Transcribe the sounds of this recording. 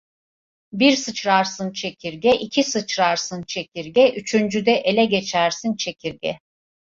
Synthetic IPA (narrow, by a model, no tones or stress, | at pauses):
biɾsɯt͡ʃɾaɾsɯnt͡ʃʰe̞cʲʰiɾɟʲɛʔicʰisɯt͡ʃɾaɾsɯnt͡ʃʰe̞cʲiɾɟɛʔyt͡ʃʰynd͡ʒyd̪ɛʔe̞lʲɛɟe̞t͡ʃʰæɾsint͡ʃʰe̞cʰiɾɟʲɛ̰